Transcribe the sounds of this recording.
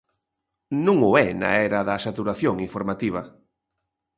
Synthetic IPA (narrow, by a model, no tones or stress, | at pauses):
nũŋʊɛna̰ɛɾɐðɐsat̪uɾaθjoŋiɱfoɾmat̪iβ̞ɐ